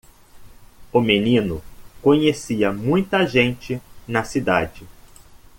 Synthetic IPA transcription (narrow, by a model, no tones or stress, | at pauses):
ʊmenĩnʊkõɲesiɐmũj̃t̪ɐʒẽnt͡ʃɪnɐsid̪ad͡ʒɪ